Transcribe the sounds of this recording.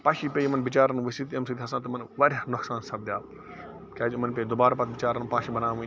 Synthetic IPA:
paːʃiːpʲeːjimɐnbɪt͡ʃaːɾɐnũʋɐsit̪ɐmsid̪ʲɦɐsãːt̪ɐmɐnʋɐɾʲnʊksaːnsɐb̚d̪jaː | kʲaːd͡ʒmɐnpʲeːd̪obaːɾapɐt̪ʰbɪt͡ʃaːɾɐnːpaːʃibɐnaːʋũ

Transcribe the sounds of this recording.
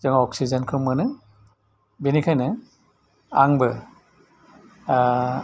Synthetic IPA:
zɯŋɔɔksizenkʰɯmːɯnɯ | binikʰajnɯ | aŋbɯ

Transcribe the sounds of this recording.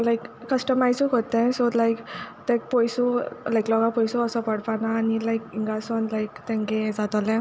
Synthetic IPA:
lajkːəsʈəmajsũkot̪ẽsolajkt̪ɛ̃k̚pɔjsulajklɔɡapɔjsuəsɔpəɽpanaːnilajkiŋɡasɔnlajkt̪ɛ̃ŋkẽd͡zat̪ɔlɛ̃

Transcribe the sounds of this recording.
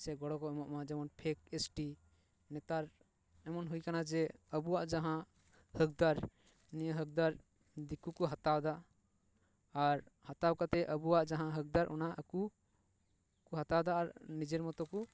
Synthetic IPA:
sɛɡɔɽɔkɔɛmɔʔmad͡ʒɛmɔnpʰek̚esʈi | nɛt̪aɾ | ɛmɔnɦujkanad͡ʒɛəbuwaʔd͡ʒaɦã | hək̚d̪aɾ | nijəɦək̚d̪aɾ | d̪ikukɔɦat̪awd̪a | ɾhat̪awkat̪ɛʔəbuwaʔd͡ʒaɦãɦək̚d̪aɾʔɔ̰naəku | kɔɦat̪awd̪aːɾnid͡ʒɛɾmɔt̪ɔkɔ

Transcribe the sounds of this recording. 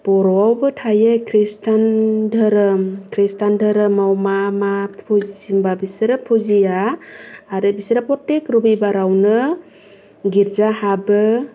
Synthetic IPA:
pɔɾɔawbɯtʰajekʰɾistʰandʱɯɾɯmkʰɾistandʱɯɾɯmawmamapʰuimbabisɾɯpʰuzijaː | ɾɯbisɾapɔtekɾɔbibaɾawnɯ | ɡiɾzahabɯ

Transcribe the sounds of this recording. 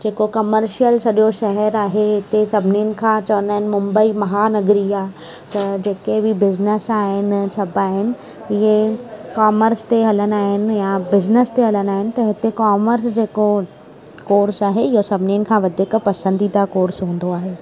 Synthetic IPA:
d͡ʑeːkokɐməɾʃijəlsɐɗijoʃɐɦɛɾaːɦeɦɪt̪esɐbʱɪnijʊnɪ̆kʰãːt͡ɕɐʋə̃naːɦɪnɪ̆mʊ̃mbəimɐɦanɐɡɾiaː | t̪ɐd͡ʑeːkebɪbɪznəsaːɦɪnɪ̆t͡ɕʰɐbaːɦɪnɪ̆ | ɪɦekaːməɾst̪eɦɐlənaːɦɪnɪ̆jabɪznəst̪eɦɐlənaːɦɪnɪ̆t̪ɐɦɪt̪ekaːməɾsd͡ʑeːko | koːɾsaːɦeɪɦosɐbʱɪnijənɪ̆kʰãːʋɐd̪ʱɪkpɐsə̃nd̪id̪akoːɾsɦũːn̆d̪oaːɦeː

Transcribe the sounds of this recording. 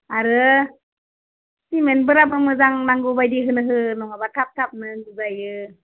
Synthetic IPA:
aɾɯ | simenbɯɾap̚amɯzaŋnaŋɡubajdiɦɯnɯɦɯnɔŋabatʰap̚tʰap̚nɯŋɡɯzajɯ

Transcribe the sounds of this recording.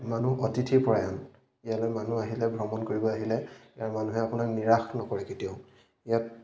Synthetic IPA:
manuotitʰiɹpɔɹajɔn | ijalojmanuaɦilɛbʱɹɔmɔnkoɹibɔaɦilɛijaɹmanuɦɛapunakniɹaxnɔkɔɹɛketijɔʊ | ijat̚

